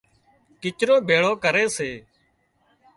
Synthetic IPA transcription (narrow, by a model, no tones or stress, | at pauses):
kɪt͡ʃɾoːbʱeːɭoːkəɾeːseː